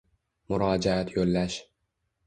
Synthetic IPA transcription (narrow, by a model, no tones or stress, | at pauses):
mʊɾɒːd͡ʒaat̪ʰjolːaʃ